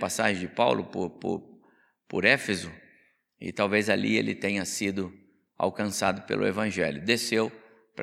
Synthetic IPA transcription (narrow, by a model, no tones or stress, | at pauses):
pasaʒẽd͡ʒɪpawlʔʊpʊɾpʊ̰ɾ | pʊɾefezʊ | ɪ̰t̪awvezaliḛlɪt̪ẽɲɐsid̪ʊ | a̰wkɐ̃sad̪ʊpḛlʔʊ̰ḛvɐ̃ʒɛljʊd̪esew | pɾ